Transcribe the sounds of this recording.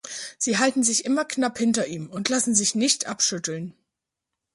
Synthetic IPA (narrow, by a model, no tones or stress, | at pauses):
z̥iːɦaltn̩zɪçʔɪmɐknaphɪntɐʔiːmʊntʰlasn̩zɪçnɪçtʔapʃʏtl̩n